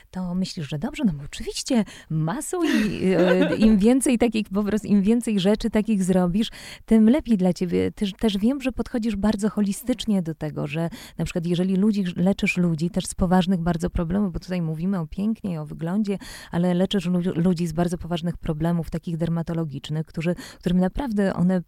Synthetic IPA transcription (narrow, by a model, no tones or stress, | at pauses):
t̪ɔmɘɕlʲiʐʐɛd̪ɔbʐɛnɔbɔːt͡ʂɘvʲiɕt͡ɕɛ | masɔw̃i | imvʲjɛnt̪sɛjt̪akʲixpɔpɾɔst̪imvʲjɛnt̪sɛjʐɛt͡ʂɘt̪akʲiɣzɾɔbʲiʂt̪ɘmlɛpʲjejd̪lat͡ɕebʲjɛt̪ɘt̪ɛʐvʲjɛmʐɛpɔt̪xɔd͡ʑiʐbaɾd̪zɔxɔlʲist̪ɘt͡ʂɲɛd̪ɔt̪ɛɡɔ̰ʐɛnapʂɘ̥kwat̪̬jɛʐɛlʲilud͡ʑilɛt͡ʂɘʂlud͡ʑit̪ɛʂspɔvaʐnɘɣbaɾd̪zɔpɾɔblɛmuvbɔt̪ut̪ajmuvʲimɘɔpʲjɛŋkɲejɔvɘɡlɔɲd͡ʑɛʔalɛlɛt͡ʂɘʂulud͡ʑizbaɾd̪zɔpɔvaʐnɘxpɾɔblɛmuft̪akʲiɣd̪ɛɾmat̪ɔlɔɡʲit͡ʂnɘxkt̪uʐɘkt̪uɾɘmnapɾavd̪ɛʔɔ̰nɛ